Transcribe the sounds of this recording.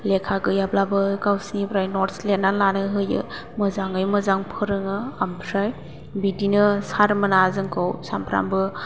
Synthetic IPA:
lekʰaɡɯjablabɯkawsinipʰɾajnɔɾtslenanlanɯɦɯjɯ̰ | məzaŋɯjmɯzaŋpʰɯɾɯŋɯampʰɾaj | bidinɯsaɾmənazɯŋkʰawsampʰɾa̰mbɯ

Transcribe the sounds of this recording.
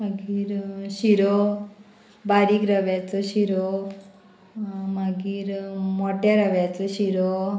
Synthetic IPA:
maɡiːɾɕiɾo | baɾiːkɾəʋat͡sɔɕiɾo | maɡiːɾmɔʈaɾəʋat͡sɔɕiɾo

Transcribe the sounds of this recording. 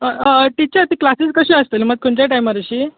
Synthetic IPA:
əəʈit͡ɕat̪iklasiskəɕiəst̪elməɡ̚kʰuɳt͡ɕjaʈajmaɾəɕiː

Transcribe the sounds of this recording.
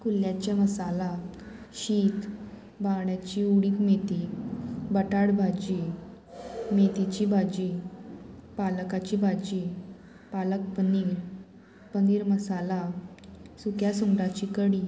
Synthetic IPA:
kulːjat͡ɕjaməsala | ɕiːt̪ | bãɳjat͡ɕiːuɽiːk̪met̪ibəʈaɽbʱad͡ʑi | met̪it͡ɕiːbʱad͡ʑi | palkat͡ɕiːbʱad͡ʑi | palək̚pəniːɾ | pəniːɾməsala | sukjasuŋɡɽat͡ɕiːkəɽiː

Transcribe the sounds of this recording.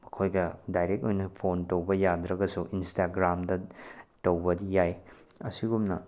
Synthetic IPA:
mɐkʰojɡɐdajɾek̚tojnɐpʰontɐwbɐjad̪ɾɐɡɐsuʔinstaɡɾamdɐtɐwbɐdijajɐsiɡumnɐ

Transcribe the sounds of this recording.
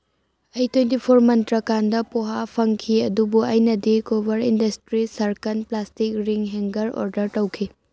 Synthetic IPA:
ɐjtwentipʰoɾmɐntɾɐkandɐpoɦapʰɐŋkʰiɐdubuɐjnɐdikobɐɾindɐstɾisɐɾkɐnplastik̚ɾiŋɦeŋɡɐɾo̰ɾdɐɾtɐwkʰi

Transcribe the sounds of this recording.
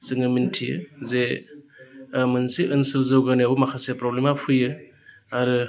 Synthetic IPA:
sɯŋɯmintʰiɯ̰ze | mɯnsiʔɯnsɯlzɯwɡaniabɯmakʰasepɾɔblemapʰujɯ | aɾɯ

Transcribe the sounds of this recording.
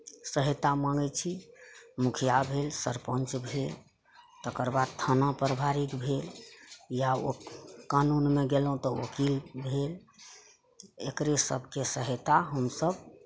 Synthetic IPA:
səɦet̪amãŋɡət͡ʃʰimukʰijabʱelsə̰ɾpə̃nt͡ʃbʱel | t̪əkəɾbad̪̚t̪ʰənapəɾbʱaɾikbʱeljaokanunmeɡelɦũt̪ɔokilbʱel | ekɾesə̰bʱkesəɦet̪aɦəmsəb

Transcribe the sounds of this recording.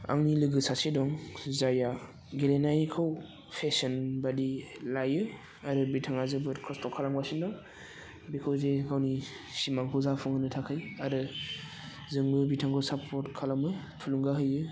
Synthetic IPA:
a̰ŋnilɯɡɯsasidɔŋzaja | ɡelenajkʰɯw | pʰesɔnbadilajɯ | aɾɯbitʰaŋazɯbɯkʰɔstɔkʰalaŋbasindɔŋ | bikʰɯwzekʰawni | simaŋkʰɯwzapʰɔŋɯnɯtʰakʰɯjaɾɯ | zɯŋbɯbitʰaŋɡɔsapʰɔɾtkʰalamɯ | pʰuluŋɡaɦɯjɯ

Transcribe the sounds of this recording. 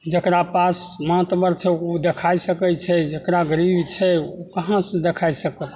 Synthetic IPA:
d͡ʒəkɾapasməaət̪bəɾt͡ʃʰɛod̪ekʰajsəkət͡ʃʰɛd͡ʒəkɾaɡəɾibʱt͡ʃʰɛokəɦãsə̃d̪ekʰajsəkət̪

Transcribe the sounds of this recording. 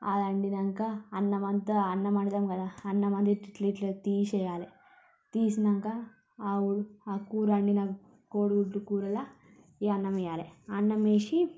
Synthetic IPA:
a̰ːd̪ɐɳɖinɐŋkɐːnːɐmɐnt̪ɐɐnːɐmɐɳit̪ɐmɡɐd̪ɐɐnːɐmɐnd̪iʈiliʈlet̪iːsɐjaːle | t̪iːsnɐŋkɐ | uɽuakuːɾɐɳɖinɐ | koːɽɡuʈːukuːɾɐlɐ | iɐnːɐmjaːleɐnːɐmeːʃi

